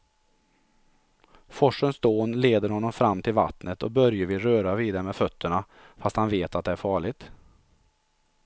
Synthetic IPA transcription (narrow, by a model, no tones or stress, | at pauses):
fɔʂənsd̪oːnleːd̪əɾhɔnːɔmfɾamːt̪ʰɪlva̰t̪nət̪ɔk̚bœɾjəvɪlɾøːɾaviːd̪aɾmɛfœt̪ʰːəɳa | fast̪hanveːt̪at̪̚d̪ɛæɾfɑːɭɪɡt̪